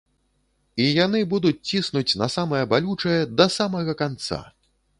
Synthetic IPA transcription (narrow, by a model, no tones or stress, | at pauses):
ijanɨbud̪ut͡sʲt͡sʲisnut͡sʲnɐsamɐjɐbalʲut͡ʂɐjɛd̪ɐsamɐɣɐkant̪sa̰